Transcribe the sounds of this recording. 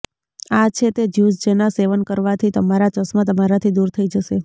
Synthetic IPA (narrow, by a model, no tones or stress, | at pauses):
at͡ʃʰet̪ed͡ʒusd͡ʒənaseʋənkəɾʋat̪ʰit̪əmaɾat͡ʃəsmãt̪əmaɾat̪ʰid̪uɾt̪ʰəid͡ʒəʃe